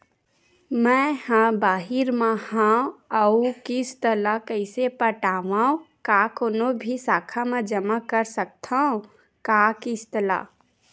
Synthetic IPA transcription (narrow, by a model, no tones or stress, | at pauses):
mɛ̃hãbaːɦɪɾmãhãəukist̪əlakəɪsepəʈaːʋãõkaːkoːnobʱisaːkʰamẽd͡ʒəmakəɾsək̚t̪ʰaõ | kaːkɪst̪əla̰ː